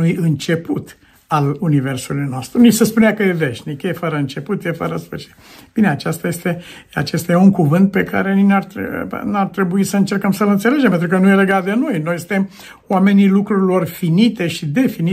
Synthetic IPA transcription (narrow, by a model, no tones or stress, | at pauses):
ujɨnt͡ʃe̞put̪ | alunive̞rsulujnoast̪ɾunit͡ʃsespuneakəje̞veʃnikjefəɾəɨnt͡ʃe̞put̪jefəɾəspət͡ʃe̥t̪b̥ineat͡ʃast̪aje̞st̪e̞a̰t͡ʃest̪ajeuŋkuvɨnt̪̚pe̞ka̰ɾe̞ninart̪ɾ̰nart̪ɾe̞buisəɨnt͡ʃe̞rkəmsəlɨnt̪se̞le̞d͡ʒempent̪ɾukənujele̞ɡat̪̚d̪e̞no̞jno̞jsɨ̥nt̪e̞m | wame̞nilukɾuɾilo̞rfinit̪e̞ʃid̪e̞fini